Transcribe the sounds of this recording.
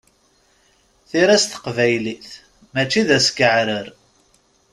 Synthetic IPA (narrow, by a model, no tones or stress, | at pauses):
θiɾæst̪ə̥qvæjliθ | mæt͡ʃːiðæsɡəʕɾəɾ